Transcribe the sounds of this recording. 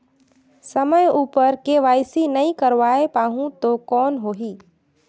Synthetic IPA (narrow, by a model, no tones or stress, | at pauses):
səməjuːpəɾkeʋaːjsinɐĩkəɾʋaːepaːɦũt̪okɔːnɦoːɦiː